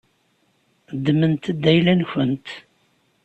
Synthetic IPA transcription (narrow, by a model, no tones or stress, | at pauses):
d̪ːmənt̪əd̪ːæjlænçənt̪